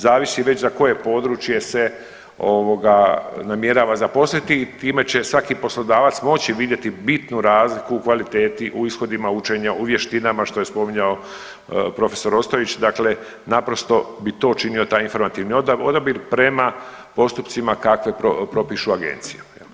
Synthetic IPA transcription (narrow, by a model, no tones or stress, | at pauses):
zaːʋisiʋet͡ɕzako̞je̞po̞ːd̪ɾut͡ʃje̞se̞ | oʋo̞ɡanamje̞ɾaːʋazapo̞slit̪it̪iːme̞t͡ɕe̞sʋakipo̞slˠo̞d̪aːʋat̪smo̞t͡ɕiʋid̪je̞t̪ibit̪nuɾaːzlikuːkʋalit̪eːt̪iʔuisxo̞d̪imaut͡ʃe̞ɲaʔuʋje̞ʃt̪inamaʃt̪o̞je̞spo̞miɲao̞ | pɾo̞fe̞̥so̞ɾo̞st̪oʋit͡ɕd̪akle̞ | napɾo̞st̪o̞bit̪o̞ːt͡ʃinio̞t̪aːjinfo̞ɾmat̪iʋniodod̪obiɾpɾe̞mapo̞st̪uptsimakakʋe̞pɾopɾo̞piʃuaɡḛnt̪siju̥ | l